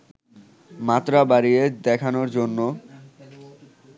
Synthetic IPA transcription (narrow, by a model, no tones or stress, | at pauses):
mat̪ːɾabaɾied̪ɛkʰanoɾd͡ʑonːo